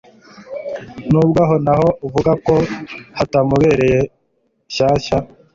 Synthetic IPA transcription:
nuːbɡaɦonaɦo̞uvuɡakohatamuβe̞ːɾe̞je | ɕaːʃa

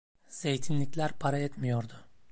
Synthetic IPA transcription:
z̥ejt̪ʰinlʲicʲlʲæɾpʰaɾaet̪mijoɾd̪ʊ

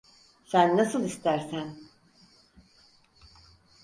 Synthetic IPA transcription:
sænːasɯlˠist̪ʰæɾsæn

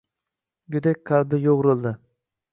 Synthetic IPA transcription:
ɡʊd̪ak̚ʲqʰɑlbɪjoʁɾɨlˠd̪ɪ

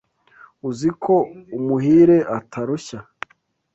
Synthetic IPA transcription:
uzikʰo̞umuɦiːɾe̞ʔatʰaɾuça

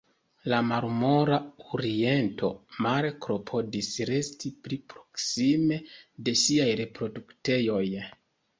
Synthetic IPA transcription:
lamaɾmo̞ɾaoɾie̞nto̞̰maɾkɾo̞pʰo̞disɾe̞stiplipɾo̞̥ksime̞de̞siajɾe̞pɾo̞dukte̞jo̞j

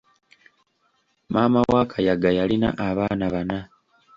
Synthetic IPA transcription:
maːmawaːkʰajaɡajalina̰ʔaβaːnaβana

